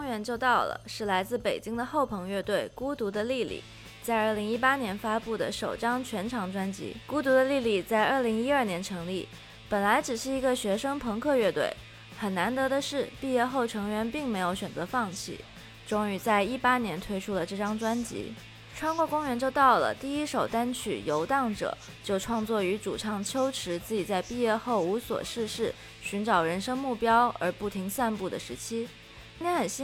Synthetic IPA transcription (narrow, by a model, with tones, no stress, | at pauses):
ŋɥɛ˧˥nt͡ɕjo˥˧ʊt̪ɑ˥˩ʊlə̰˩ʂɻ̩˥˩la˧˥ɪt͡sɹ̩˥˩pe˨˩ɪt͡ɕi˥ŋd̪ə˨xo˥˩ʊpʰɤ˧˥ŋɥɛ˥˧t̪we˥˩ɪku˥t̪u˧˥d̪ə˧li˥˧˩lḭ˨˩ | t͡sa˥˧ɪə˞˥˩li˧˥ŋi˥pa˥njɛ˧˥nfa˥pu˥˩d̪ə̰˩ʂo˨˩ʊʈ͡ʂɑ˥ŋt͡ɕʰɥɛ˧˥nʈ͡ʂʰɑ˧˥ŋʈ͡ʂwa˥nt͡ɕḭ˧˥ku˥t̪̬u˧˥d̪ə˧li˥˩li˥˩t͡sa˥˧ɪə˞˥˩li˧˥ŋi˥ə˞˥˩njɛ˧˥nʈ͡ʂʰɤ˧˥ŋli˥˩ | pə˨˩nla˧˥ɪʈ͡ʂɻ̩˨˩ʂɻ̩˥˩i˧˥ɡə˧ɕɥɛ˧˥ʂɤ˥ŋpʰɤ˧˥ŋkʰɤ˥˧ɥɛ˥˧t̪wḛ˥˩ɪ | xə˨˩na˧˥nt̪ɤ˧˥d̪ə˧ʂɻ̩˥˧pi˥˧jɛ˥˧xo˥˩ʊʈ͡ʂʰɤ˧˥ŋɥɛ˧˥npi˥˩ŋme˧˥ɪjo˨˧˥ʊɕɥɛ˨˩nt͡sɤ˧˥fɑ˥˩ŋt͡ɕʰḭ˥˩ | ʈ͡ʂʊ˥ŋy˧˥t͡sa˥˧ɪi˥˩pa˥njɛ˧˥nt̪ʰwe˥ɪʈ͡ʂʰu˥lə˨ʈ͡ʂɤ˥˩ʈ͡ʂɑ˥ŋʈ͡ʂwa˥nt͡ɕḭ˧˥ | ʈ͡ʂʰwa˥nkwɔ˥˩kʊ˥ŋɥɛ˧˥nt͡ɕjo˥˧ʊt̪ɑ˥˩ʊlə̰˩t̪i˥˩i˥ʂo˨˩ʊt̪a˥nt͡ɕʰy̰˨˩jo˧˥ʊt̪ɑ˥˩ŋʈ͡ʂɤ̰˨˩˦ | t͡ɕjo˥˧ʊʈ͡ʂʰwɑ˥˧ŋt͡swɔ˥˩y˧˥ʈ͡ʂṵ˨˩ʈ͡ʂʰɑ˥˩ŋt͡ɕʰjo˥ʊʈ͡ʂʰɻ̩˧˥t͡sɹ̩˥˩t͡ɕi˨˩t͡sa˥˧ɪpi˥˧jɛ˥˧xo˥˩ʊu˧˥swɔ̰˨˩ʂɻ̩˥˧ʂɻ̩˥˩ | ɕy˧˥nʈ͡ʂɑ˨˩ʊɻə˧˥nʂɤ˥ŋmu˥˩pjɑ˥ʊʔə̰˞˧˥pu˥˩t̪ʰi˧˥ŋsa˥˧npu˥˩d̪ə˩ʂɻ̩˧˥t͡ɕʰi˥ | t̪ʰjɛ˧˥xə˨˩nɕi˥